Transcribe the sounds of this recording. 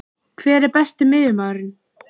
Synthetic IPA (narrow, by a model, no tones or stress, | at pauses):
kʰvɛːɾɛɾpɛst̪ɪmɪðʏmaːðɾɪn